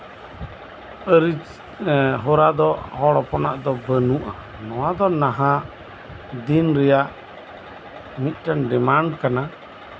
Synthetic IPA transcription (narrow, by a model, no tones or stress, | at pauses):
əɾit͡ʃ | ɦɔɾad̪ɔhɔɽɔpɔnaʔd̪ɔbənuʔa | nɔwad̪ɔnaɦa | d̪inɾɛjaʔ | mit̪̚ˀʈanɖɛmaɳɖkana